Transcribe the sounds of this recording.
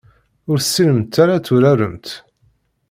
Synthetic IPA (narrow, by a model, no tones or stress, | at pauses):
ʊɾsːiləmt̪ːaɾat͡sːʊɾæɾəmt̪